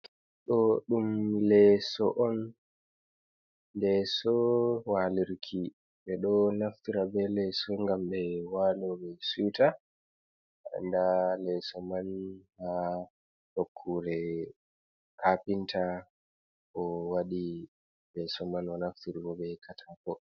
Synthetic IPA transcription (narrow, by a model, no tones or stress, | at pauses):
ɗɔɗumlɛsɔʔɔn | dɛsɔwaliɾkʰi | ɓɛɗɔnaftiɾabɛlɛsɔŋɡamɓɛwalɔbɛsujta | ʔa̰ndalɛsɔmanha | ɗokʰːuɾɛ | kapintʰa | ʔɔwaɗi | lɛsɔmanɔnaftiɾibɔbɛkʰatʰakɔ